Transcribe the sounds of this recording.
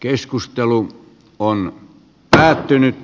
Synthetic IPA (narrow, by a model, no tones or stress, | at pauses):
keskust̪elu | on | pæːt̪ːynyt̪